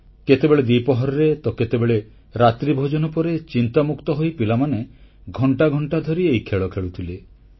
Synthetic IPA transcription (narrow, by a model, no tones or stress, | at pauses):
ket̪ebeɭed̪ipɔɦɔɾɔɾet̪ɔket̪ebeɭe | ɾat̪ɾibʱɔd͡ʒɔnɔpɔɾet͡ʃint̪amukt̪ɔɦojpilamaneɡʱɔɳʈaɡʱɔɳʈad̪ʱɔɾiejkʰeɭɔkʰeɭut̪ʰile